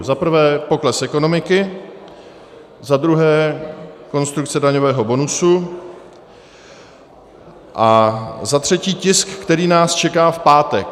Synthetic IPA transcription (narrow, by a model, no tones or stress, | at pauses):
zapɾ̩vɛːpo̞klɛsʔɛko̞no̞mɪkɪ | zad̪ɾuɦɛːko̞nst̪ɾuk̚t͡sɛdaɲovɛːɦo̞bo̞nusu | ʔazat̪r̝̥ɛciːcɪskːt̪ɛɾiːnaːst͡ʃɛkaːfpaːt̪ɛk